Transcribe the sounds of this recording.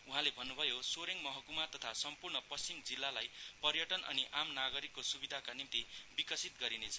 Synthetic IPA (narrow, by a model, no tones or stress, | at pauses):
uɦãlebʱʌnːubʱʌjosoɾeŋmʌɦʌkumat̪ʌt̪ʰasʌmpurnʌpʌst͡simd͡zilːalajpʌrjʌʈʌnʔʌ̰niʔamnaɡʌɾikːosubid̪ʱakanint̪ibikʌsit̪ɡʌɾinet͡sʰʌ̥